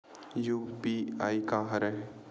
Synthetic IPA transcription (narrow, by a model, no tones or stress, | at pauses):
juːpiaːikaɦɐɾɛɦ